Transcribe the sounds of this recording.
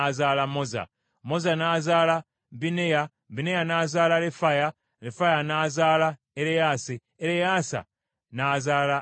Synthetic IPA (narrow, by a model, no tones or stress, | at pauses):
zaːlamoza̰ | mozanaːzaːla | bineja | binejanaːzaːlalefaja | lefajanaːzaːla | eɾejasi | eɾejasa̰ | nazaːla